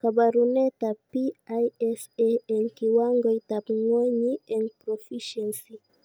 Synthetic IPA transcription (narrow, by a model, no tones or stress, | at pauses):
kabaɾunet̪apiajɛseeŋkiwaŋɡoit̪apŋwɛɲiɛnpɾofiʃɛnsi